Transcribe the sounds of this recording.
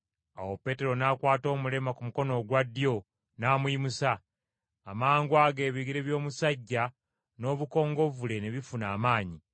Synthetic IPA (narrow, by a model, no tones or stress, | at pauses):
a̰wo̞pe̞ːte̞ɾo̞nakwaːto̞ːmule̞makumuko̞no̞ɡwadːjo̞ | naːmwimusaː | maːŋɡwaɡe̞ːβiɡiɾe̞βjo̞ːmusaɟːa | no̞ːβuko̞ːŋɡo̞vule̞ne̞βifunaːmaːɲi